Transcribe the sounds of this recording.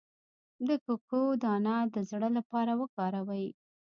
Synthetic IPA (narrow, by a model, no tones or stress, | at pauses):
d̪əkokod̪ɑnad̪əzɽəlapɑɾawəkɑɾawəj